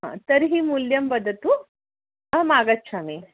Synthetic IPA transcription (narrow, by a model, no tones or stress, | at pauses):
ã̰t̪əɾɦiːmuljɐmbəd̪ʱət̪u | maɡət̪ːɕʰami